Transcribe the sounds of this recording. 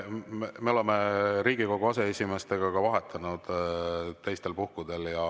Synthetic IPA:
meme̞o̞leme̞ɾiːɡ̥iko̞ɡ̥uɑse̞esʲime̞st̪e̞ɡ̥ɑkɑvɑɦe̞t̪ʰːˑɑnud̪̥t̪ːejst̪e̞lpuhkud̪̥e̞ljɑ

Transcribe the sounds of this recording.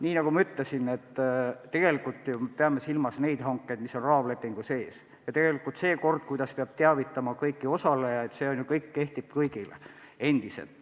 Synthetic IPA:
niːnɑɡumɑyt̪lesine̞t̪ːe̞ɡ̥e̞likːˑult̪ːˑjumepeɑme̞silmɑsne̞jd̪̥hɑŋkːejd̪̥miso̞nrɑːvle̞pːˑiŋɡ̥use̞ːs | jɑt̪e̞ɡ̥e̞likːˑult̪se̞ːko̞rd̪̥̚kujd̪ɑspeɑb̥̚t̪eɑvit̪ːˑɑmɑkɤjkːio̞sɑlejɑet̪se̞ːonjukɤjkːe̞ht̪ib̥̚kɤjɡ̥ilḛe̞nd̪̥isḛlt̪

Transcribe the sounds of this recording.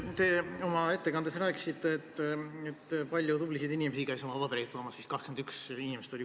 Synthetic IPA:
t̪e̞ːo̞mɑe̞t̪ːe̞kɑnd̪̥e̞sræːksit̪ːˑeːt̪ːet̪ːpɑlʲjud̪ublised̪inimesikæjso̞mɑvɑpeɾit̪ːoːmɑsist̪kɑhksmend̪yksinimest̪o̞li

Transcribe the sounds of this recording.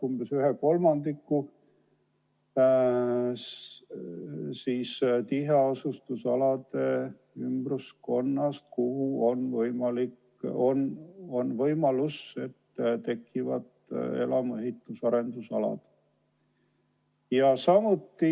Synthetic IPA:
kumb̥esyɦeko̞lmɑnd̪ikːu | siːst̪iɦeosust̪usɑlɑd̪e | ymb̥rusko̞nːɑst̪̚kuhuo̞nvɤjmɑlik | ono̞nvɤjmɑluse̞t̪ːt̪e̞kːˑivɑ̰d̪e̞̰lɑmeɦhit̪ːˑusɑɾe̞nd̪usɑ̰lɑ̰d̪̥ | jɑsɑmut̪ːi

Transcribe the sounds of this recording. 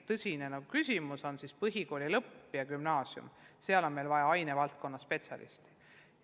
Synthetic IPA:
t̪ɤsʲinenɑɡ̥ukysʲimuso̞nsispɤɦiko̞ːlʲilɤpːjɑkymnɑːsjṵm | seɑlo̞nme̞jlvɑjɑɑjnevɑlt̪̚ko̞nːɑspe̞t̪sʲjɑ̰lʔḭst̪i̥

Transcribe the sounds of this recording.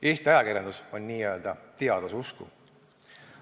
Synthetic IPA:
ʔe̞ːst̪iɑjɑkirjɑnd̪uso̞nʲːiːøld̪̥ɑt̪eɑd̪̥osuskṵ

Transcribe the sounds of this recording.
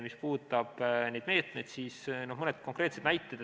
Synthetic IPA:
mispuːt̪ːˑɑb̥ne̞jd̪me̞ːt̪me̞jd̪siːsno̞hmɤned̪ko̞ŋkˑre̞ːt̪se̞d̪næjt̪ːˑed̪

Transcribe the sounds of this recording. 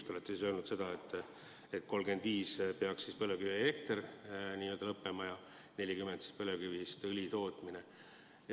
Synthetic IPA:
st̪o̞let̪ːesis̬ølnud̪se̞d̪̥ɑet̪ːˑ | et̪ko̞lɡ̥e̞nd̪̥viːspeɑkssispɤløkyviekt̪erniːø̞ld̪ɑlɤpːe̞mɑjɑ | ne̞lʲikymend̪si̥spɤlekyvist̪ɯlʲit̪o̞ːt̪ˑmine

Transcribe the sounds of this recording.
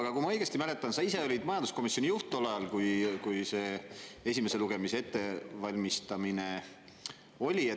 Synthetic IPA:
ɑɡ̥ɑkuimɑɤ̞jɡ̥e̞st̪imæle̞t̪ːˑɑnsɑise̞o̞lʲid̪mɑjɑnd̪usko̞misjo̞nʲijuht̪ˑːolɑjɑlkujkujse̞ːe̞sime̞se̞luɡ̥emise̞e̞t̪ːe̞vɑlʲmist̪ɑmine̞ | o̞lʲie

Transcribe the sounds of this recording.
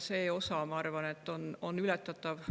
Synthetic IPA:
seːo̞sɑmɑɑrvɑne̞t̪ːo̞no̞nːylɛt̪ːˑɑtt̪ːˑɑv

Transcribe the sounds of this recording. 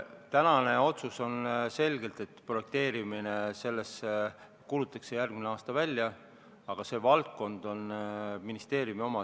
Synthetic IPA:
t̪ænɑne̞o̞t̪suso̞nse̞lʲɡe̞lt̪e̞t̪ːpro̞je̞k̚t̪e̞ːɾimine̞se̞lːe̞se | kuːlut̪ːˑɑkse̞jærɡ̥mineɑːst̪ɑvælʲːjɑ | ɑɡ̥ɑse̞ːvɑlt̪̚ko̞nd̪̥o̞nminist̪e̞ːɾjumio̞mɑ

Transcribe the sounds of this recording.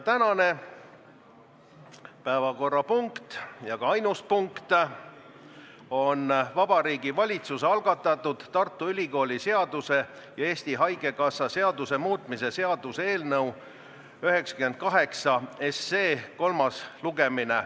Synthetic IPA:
t̪ænɑne̞ | pæːvɑko̞rːɑpuŋkt̪jɑɡ̥ɑɑjnuspuŋkt̪ | o̞nvɑb̥ɑɾiːɡivɑlʲit̪suseɑlɡ̥ɑt̪ːˑɑt̪ːˑud̪̥t̪ɑrt̪ːˑuylʲiko̞ːlʲise̞ɑd̪̥use̞ | jɑe̞ːst̪iɦɑjɡ̥e̞kɑsːɑse̞ɑd̪̥use̞muːt̪ˑmise̞se̞ɑd̪̥use̞ːlnɤw | yɦe̞ksɑ̥kymen̚kɑɦe̞ksɑesːeːko̞lmɑsluɡ̥e̞minḛ

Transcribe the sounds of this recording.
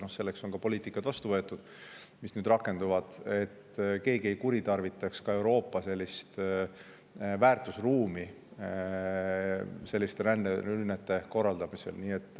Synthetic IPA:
no̞hse̞lːe̞ksoŋɡɑpo̞lʲiːt̪ikːˑɑt̪vɑst̪uvɤt̪ːˑud̪̥ | misnyd̪̥rɑkːˑe̞nd̪uvɑd̪̥e̞t̪ːke̞ːɡ̥ieikuɾit̪ɑrvit̪ːˑɑkskɑe̞wɾo̞ːpːˑɑse̞lʲːist̪ | væːrt̪ˑusruːmi | se̞lʲːist̪eɾænːeylnet̪ːˑe̞ko̞rːɑld̪ɑmise̞̰lniːe̞t̪ːˑ

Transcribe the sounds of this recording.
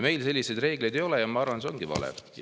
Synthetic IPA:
me̞jlse̞lʲːise̞jd̪re̞ːɡ̥lejd̪ejo̞lɛjɑmɑɑrvɑnseo̞ŋɡ̥ivɑ̰lɛ̰

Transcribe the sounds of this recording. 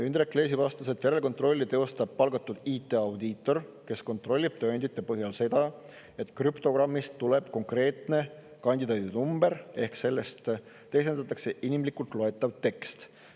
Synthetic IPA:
ynd̪ɾekːle̞ːs̬ivɑst̪ɑset̪jæɾelko̞nt̪ɾro̞lʲːit̪e̞o̞st̪ɑb̥̚pɑlɡ̥ɑt̪ːˑud̪̥iːt̪ːˑeɑwd̪iːt̪ːˑo̞rke̞sko̞nt̪ro̞lʲːib̥̚t̪onʲd̪̥it̪ːˑe̞pɤɦjɑlse̞d̪̥ɑ | e̞t̪ːˑkrypt̪o̞ɡrɑmːist̪ːule̞b̥ko̞ŋkre̞ːt̪ne̞kɑnʲd̪id̪ɑːt̪id̪numb̥eɾe̞hkse̞lːe̞st̪ | t̪ːejsenɑt̪ːˑɑkse̞ʔinimlikˑult̪ˑloe̞t̪ːˑɑvt̪e̞kst̪

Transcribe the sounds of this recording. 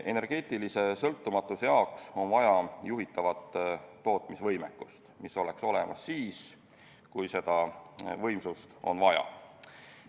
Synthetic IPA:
ʔe̞ne̞rɡ̥e̞ːt̪ˑilise̞sɤlt̪ːumɑt̪ːˑusejɑokso̞nvɑjɑjuɦit̪ːˑɑvɑt̪ːo̞ːt̪misvɤjmekːˑust̪miso̞le̞kso̞le̞mʔɑsːiːs | kujse̞d̪̥ɑvɤ̞jmsust̪o̞̰nvɑjɑ̰

